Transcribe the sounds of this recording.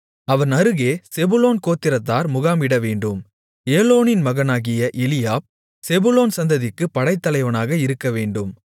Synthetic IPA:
ɐʋɐnɐɾɯɣeːsɛbʊloːnkoːt̪ːɪɾɐt̪̬ːaːɾmʊɣaːmɪɽɐʋeːɳɖɯm | eːloːnɪnmɐɣɐnaːɣɪjɐʔɪlɪjaːp̚ | sɛbʊloːnsɐnd̪ɐðɪkːɯpːɐɽɐɪt̪ːɐlɐɪʋɐnaːɣɐɪɾɯkːɐʋeːɳɖɯm

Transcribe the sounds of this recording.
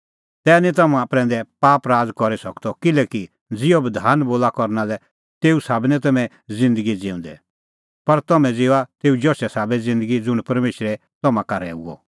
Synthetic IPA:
t̪ɛːnĩt̪̬ɐmãpɾɛ̃ːn̆d̪ɛpaːpɾaːd͡zkɔɾisɐkt̪ɔkɪlɛːki | d͡zɪjɔbɐd̪ʱaːnboːlakɔɾnalɛ | t̪eːusaːbnɛt̪̬ɐmɛ̃ | d͡zɪ̃nd̪əɡid͡zeːʊ̃nd̪ɛ̰ | pɐɾt̪ɐmɛ̃d͡zeːat̪eːud͡ʒɔːsɛsaːbɛd͡zɪ̃nd̪əɡid͡zʊɽ̃pɐɾmeːʃɾɛ | t̪ɔmãkaɾɛ̰ːṵɡɔ̰

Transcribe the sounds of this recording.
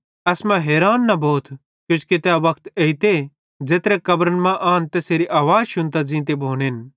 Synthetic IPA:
ɛːsmãɦɛːɾaːnːaboːt̪ʰ | kʊt͡ʃket̪eaʋɐkʰt̪eːit̪e | d͡zeːt̪ɾekɐbɾənmãʔaːnt̪ɛseːɾiʔaːʋaːd͡zʃʊ̃ñt̪̬ad͡zĩːt̪̬ebʱoːɽ̃eːn

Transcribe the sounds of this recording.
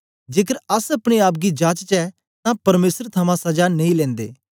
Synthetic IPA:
d͡ʒeːkəɾəsɐpɽ̃eaːp̬̚ɡid͡ʒaːt͡ʃt͡ʃɛ | t̪ãpɐɾmeːsəɾt̪ʰɐmãsɐd͡ʒanɐĩlɛ̃ːnd̪ḛː

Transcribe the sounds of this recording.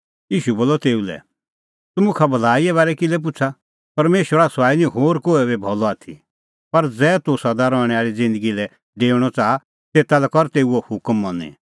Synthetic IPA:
jiːʃuboːlːɔt̪eːulɛ̰ | t̪ʊmũkʰabʱɐlaːiɛβaːɾɛkɪlɛp̬ʊt͡ʃʰa | pɐɾmeːʃwəɾasɔaːinĩɦoːɾkoːɛβebʱɔlɔat̪ʰḭ | pɐɾd͡zɛːt̪ʊsad̪aɾɔːɽ̃ɛaːɭid͡zɪ̃nd̪əɡilɛ | ɖeːɽ̃ɔt͡saː | t̪eːt̪alɛkɔɾt̪eːuohʊkmːɔ̃nḭ

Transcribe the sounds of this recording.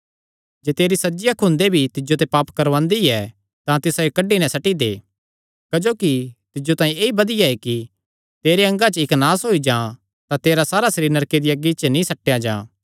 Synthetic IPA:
d͡ʒeːt̪eːɾisɐd͡ʒɪjakʰʊ̃nd̪ebʱit̪ɪd͡ʒot̪̬ɛpaːpkɐɾʋãːnd̪iɛ | t̪ãt̪ɪsajokɐɖinɛ̃sɐʈid̪ḛː | kɐd͡ʒoːkit̪ɪd͡ʒot̪ãːĩeːibɐd̪ɪjaɛki | t̪eːɾeɐ̃ŋɡat͡ʃəɪknaːsɦoːid͡ʒãː | t̪ãt̪eːɾasaːɾasɐɾiːɾnɐɾked̪iɐɡit͡ʃənĩsɐʈːejãd͡ʒã̰ː

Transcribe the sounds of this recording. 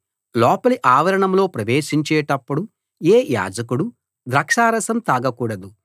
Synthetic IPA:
lɔːpɐliʔaːʋɐɾɐɳɐmlo̞ːpɾɐʋeːʃiɲt͡ʃɛːʈɐpːuɽu | eːja̰ːd͡ʒɐkuɽu | d̪ɾɐkʂaːɾɐsɐmt̪aːɡɐkuːɽɐd̪u

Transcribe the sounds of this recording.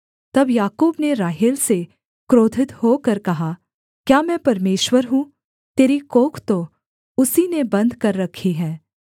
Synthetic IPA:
t̪ɐbjaːkoːbneɾaːɦelse | kɾoːd̪ʱɪt̪ɦoːkɐɾkɐɦa | kjaːmɛ̃pɐɾmeːʃwəɾɦũ | t̪eːɾikoːkʰt̪o | ʊsinebɐ̃nd̪ʱkɐɾːɐkʰːiɦɛ̃ː

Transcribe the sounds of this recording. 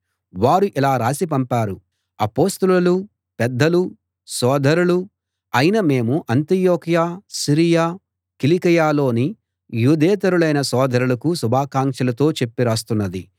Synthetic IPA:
ʋaːɾuʔilaːɾaːsip̬ɐmpaːɾu | ɐpo̞ːst̪ululɐlu | pɛd̪ːɐlu | sɔːd̪ʱɐɾulu | ɐjinɐme̞ːmuʔɐnt̪ijoːkijaːsiɾijaː | kilikɐjaːlo̞ːni | juːd̪ɛːt̪̬ɐɾulɐjnɐsɔːd̪ʱɐɾulɐkusubʱaːkaːŋkʃɐlɐt̪o̞ːt͡ʃe̞pːiɾaːst̪unːɐd̪i

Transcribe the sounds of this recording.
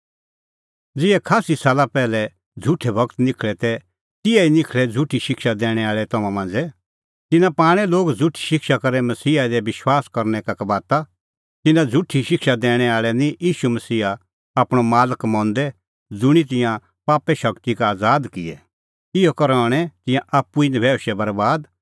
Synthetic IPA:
d͡zɪɛkʰaːsisaːlapɛːlɛ | d͡zʱʊʈʰɛbʱɐkt̪nɪkʰɭɛt̪ɛ | t̪ɪainɪkʰɭɛd͡zʱuʈʰːiʃɪkʃad̪ɛːɽ̃ɛaːɭɛt̪ɐmãmãn̆d͡zɛ | t̪ɪnãpaːɽ̃ɛloːɡd͡zʱʊʈʰːi̥ʃɪkʃakɐɾɛmɐsiːad̪ɛbɪʃwaːskɐɾnɛkakabaːt̪a | t̪ɪnãd͡zʱʊʈʰːiʃɪkʃad̪ɛːɽ̃ɛaːɭɛnĩjiːʃumɐsiːa | aːpɽ̃omaːləkmɔ̃ːnd̪ɛ | d͡zʊɽ̃it̪̬ɪ̃jã | paːpɛʃɐkt̪ikaaːd͡zaːd̪kɪ̰ɛ | ɪjɔkɐɾɔ̃ːɽ̃ɛt̪ɪ̃jãʔaːpːuinbʱɛːʃɛbɐɾbaːd̪

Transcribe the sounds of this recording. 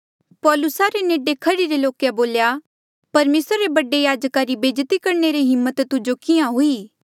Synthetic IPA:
pɔːlʊsaɾeneːɖekʰɐɽiɾeloːkjaboːlja | pɐɾmeːsɾaɾebɐɖejaːd͡ʒkaɾibeːd͡ʒt̪ikɐɾneɾiɦɪmːət̪t̪ːʊd͡ʒokɪjãɦuiː

